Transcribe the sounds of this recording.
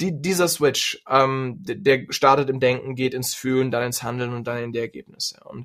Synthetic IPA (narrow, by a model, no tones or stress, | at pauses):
d̥iːdiːzɐswɪt͡ʃʔɛmdeːɐʃtaɐtətɪmdɛŋkŋ̩ɡeːtɪnsfyːləndanɪnshandl̩nʊnt̚d̥anɪndeːɐɛɐɡḛːp̚nɪsəʊ̰nt